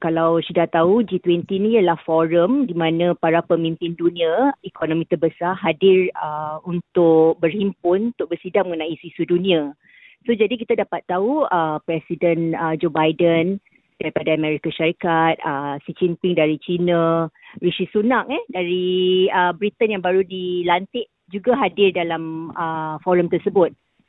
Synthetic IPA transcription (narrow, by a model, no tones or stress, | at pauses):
kalawsudaʔt̪aud͡ʒit̪wɛnt̪inĩjəlahfoɾəmdimãnãpaɾapəmĩmpɪndunĩaikʰonõmĩt̪əbəsaɦadɪrəunt̪ʊkk̚bərhimpʊnut̪ʊʔ̚bərsidaʔ̚məŋənãʔisisudunĩa | sod͡ʒadik̬it̪adapat̪ːauəpɾɛsidənəd͡ʒobajdən | d̥aɾipadaamɛ̃ɾikaʃaɾikat̪̚əsid͡ʒinpiŋdaɾit͡ʃinãɾiʃisunãʔɛdaɾiəbɾit̪ənjaŋbaɾudilant̪ɪʔ | d͡ʒuɡaɦadɪrdalaməfɔɾəmt̪ərsəbʊt̪̚